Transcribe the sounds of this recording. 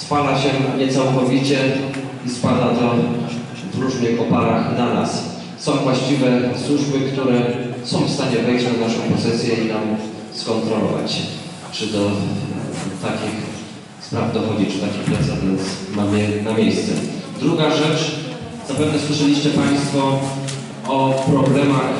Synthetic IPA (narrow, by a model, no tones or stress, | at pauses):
spalaɕɛɲɛt̪sawkɔvʲit͡ɕɛ | ispad̪at̪ɔ | vɾuʐnɘxɔpaɾaxnana̰s | sɔ̃w̃vwaɕt͡ɕivɛswuʐbɘkt̪uɾɛsɔ̃w̃fst̪aɲɛvɛjʐanaʂɔ̃w̃pɔsɛsʲjɛinam | skɔnt̪ɾɔlɔ̰va̰t͡ɕ | t͡ʂɨd̪ɔ | t̪akʲix | spɾavd̪ɔvɔd͡ʑit͡ʂɨ̥t̪akʲixpɾat̪savʲjɛnt̪smamɘnamʲjejst̪sɛ̰d̪ɾuɡaʐɛt͡ʂ | zapɛvnɛswɘʂɛlʲiɕt͡ɕɛpaj̃st̪fɔ | ɔpɾɔblɛmax